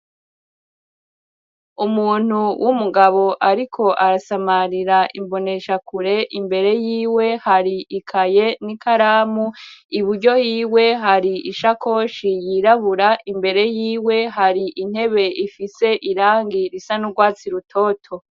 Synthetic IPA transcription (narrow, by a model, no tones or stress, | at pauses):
umuːn̥uwʔumuɡaβo̞ʔaɾikʰo̞ʔaɾasamaɾiɾaʔḭmbo̞ne̞ʃakuɾe̞ʔimbe̞ɾe̞jiːwe̞haɾiʔikʰaje̞nikaɾaːmuiβuɾɟo̞jiːwe̞ɦaɾiiʃako̞ʃijiɾaβuɾaʔimbe̞ɾe̞jiːwe̞ɦaɾiʔin̥he̞βe̞ʔifise̞ʔiɾaːŋɡiɾisanuɡwaːt͡siɾutʰo̞ːtʰo̞